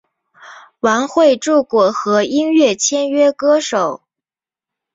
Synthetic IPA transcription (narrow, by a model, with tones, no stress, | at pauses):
wa˧˥nxwe˥˧ɪʈ͡ʂu˥˩kwɔ˨˩xɤ˧˥i˥nɥɛ˥˩t͡ɕʰjɛ˥nɥɛ˥kɤ˥ʂo˨˩˦ʊ